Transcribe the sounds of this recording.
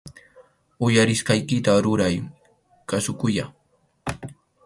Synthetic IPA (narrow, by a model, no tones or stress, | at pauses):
ʊjaɾɪskajkɪt̪aɾʊɾaj | kasʊkʊja